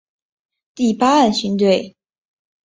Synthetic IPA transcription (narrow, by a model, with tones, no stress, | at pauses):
t̪i˥˩pa˥a˥˩nɕy˥nt̪̬we˥˩ɪ